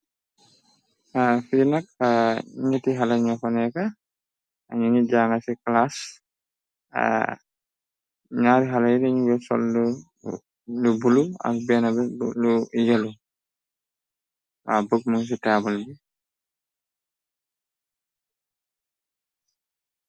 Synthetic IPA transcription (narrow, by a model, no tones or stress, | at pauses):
afiɾnakaɲitiɦalaɲɔkɔnɛka | ɲinid͡ʒaŋasiklas | ɲaːɾiɦalajɾɛɲwɛsɔ̰lːu | lubulua̰bɛːnabɛluiɡalu | abuk̚muŋs̬itaːbɔlbi